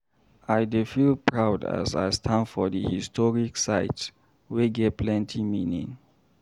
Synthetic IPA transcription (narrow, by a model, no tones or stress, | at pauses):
ajdefilpʰɹawda̰sa̰jstʰãnfɔdəhistʰɔɹiksaɪt | weɡɛpʰlɛ̃ntʰiminḭ̃ŋ